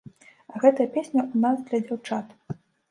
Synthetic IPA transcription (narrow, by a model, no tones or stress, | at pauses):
ɐɣɛt̪ɐjɐpʲesʲnʲɐʔunazd̪lʲɐd͡zʲawt͡ʂat̪